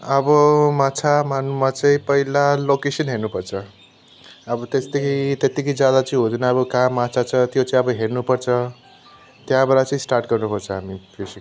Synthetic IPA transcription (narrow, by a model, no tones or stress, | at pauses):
ʌbʌmãt͡sʰamanumat͡sʌĩpʌilalokesʌnɦeɾnupʌrt͡sʰʌ | ʌbʌt̪est̪ʌkʰit̪et̪ikʌd͡zjad̪at͡sĩɦod̪ʱunʌʌbʌkãmat͡sʰat͡sʰʌt̪jot͡sʌĩʌbʌɦernupʌrt͡sʰʌ | t̪jãbʌɾat͡sʌĩsʈarʈɡʌrnupʌrt͡sʰʌɦamipʰisi